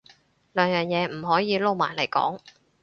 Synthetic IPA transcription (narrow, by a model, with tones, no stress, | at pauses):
lœː˨˧ŋjœː˨ŋjɛː˨˧m̩˨˩ɦɔː˨˥jiː˨˧lo˥˧wmaː˨˩jlɐ˨˩jkɔ̰ː˨˥ŋ